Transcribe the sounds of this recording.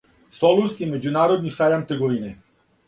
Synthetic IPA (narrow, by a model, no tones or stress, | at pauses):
solˠuskimed͡ʑunaːɾod̪nisajamt̪eɡoʋine